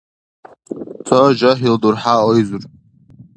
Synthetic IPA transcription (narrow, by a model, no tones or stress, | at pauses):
t͡sʰoʒaħildurħaojzʷur